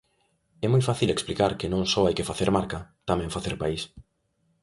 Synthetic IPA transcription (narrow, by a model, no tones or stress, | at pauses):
ɛmojfaθileksplikaɾkɪnõŋsɔajkɪfaθeɾmaɾkɐt̪amɛ̃ŋfaθeɾpais